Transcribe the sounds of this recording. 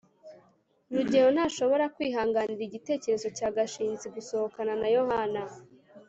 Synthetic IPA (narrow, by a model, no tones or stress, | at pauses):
ɾuɟe̞honaːʃo̞βo̞ɾakwiːɦaːŋɡaniɾiɟite̞ːce̞ɾe̞zo̞caːɡaʃiːnziɡuso̞hokananajo̞hana